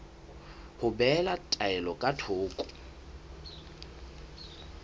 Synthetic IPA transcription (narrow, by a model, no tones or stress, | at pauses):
hʊbɛlatʼaɛlɔkʼatʰoːkʼʊ̥